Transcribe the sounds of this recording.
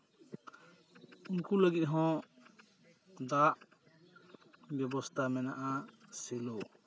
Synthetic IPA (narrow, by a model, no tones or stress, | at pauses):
uŋkuləɡit̪̚ɦɔ̃ | d̪aʔ | bɛbɔst̪ʰamɛna̰ʔasɛlo